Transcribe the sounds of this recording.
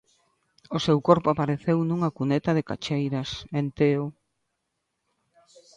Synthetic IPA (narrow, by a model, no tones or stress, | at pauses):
ʊsewkoɾpʊapaɾeθewnũŋakunet̪ɐðɪka̰t͡ʃejɾɐsent̪eʊ